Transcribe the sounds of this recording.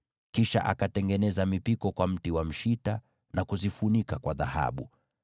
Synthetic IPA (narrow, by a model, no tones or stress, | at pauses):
kiʃa̰ʔa̰katɛŋɡɛnɛzamipikɔkwam̩tiwam̩ʃita | nakuzifunikakwaða̰ha̰ɓu